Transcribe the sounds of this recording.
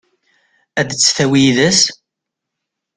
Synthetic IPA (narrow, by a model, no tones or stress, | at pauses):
æd̪t͡sːθæwijðəs